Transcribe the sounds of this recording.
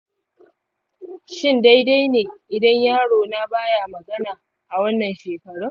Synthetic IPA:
ʃɪ˦nda˦jda˦jneː˨ʔɪ˨dɐ˦ɲjaː˦ɽoː˨na˦baː˦ja˨mɐ˨ɡɐ˦naː˨ | ʔa˨wɐ˦nːɐ˨nʃeː˨kɐ˨ɽʊ˦ŋ

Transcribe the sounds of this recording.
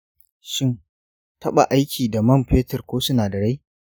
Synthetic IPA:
ʃɪ˦n | tʰɐ˦ɓa̰˨ʔa˦jkʲʰiː˨da˨mɐ˦˨mɸeː˦tɐ˨rkʷoː˦sʊ˦naː˨dɐ˨ɽe˦

